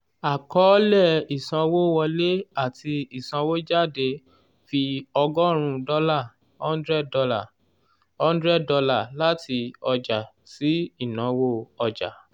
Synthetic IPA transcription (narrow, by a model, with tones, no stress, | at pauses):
a˨kɔ˨˦lɛ˦˨i˨sã˧wo˦wɔ˧le˦a˦˨ti˧i˨sã˧wo˦d͡ʒa˦˨de˧ | fi˧ɔ˧ɡɔ˦ɾ̃ũ˧dɔ˧˦la˦˨ | hɔ̃˦ndɾɛ˦˨ɔ˧la˦˨ | hɔ̃˦n˦dɾɛ˦˨dɔ˧la˦˨la˦ti˧ɔ˧d͡ʒa˨ | si˦i˦˨nã˨˦wo˦ɔ˧d͡ʒa̰˨